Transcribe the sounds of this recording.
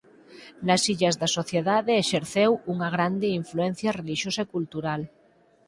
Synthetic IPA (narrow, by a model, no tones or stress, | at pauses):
nasiʎazðasoθjeðaðeːʃeɾθewuŋaɣ̞ɾand̪eiɱfluen̟θjareliʃjosaekult̪uɾal